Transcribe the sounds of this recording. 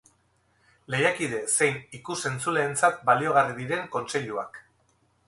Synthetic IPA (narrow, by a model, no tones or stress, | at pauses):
le̞jakið̞e̞se̞jnikuse̞nt͡sule̞ːnt͡sat̪̚balio̞ɣ̞ariðiɾe̞ŋko̞nse̞ʎua̰k